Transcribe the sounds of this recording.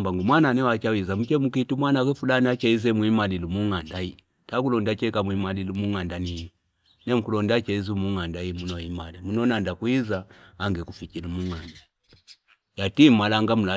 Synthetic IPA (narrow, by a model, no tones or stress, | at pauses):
mbaŋɡumwananɛwat͡ʃawizamut͡ʃɛmukitumwanakɛfulaniat͡ʃɛizɛmwimalilumuŋandai | takulɔndat͡ʃɛkamwimalilumuŋandani | nɛmukulɔndat͡ʃɛizumuŋandaimunɔimalimunɔnandakwizaːŋɡɛkufikilumuŋanda | jatimalaŋɡamula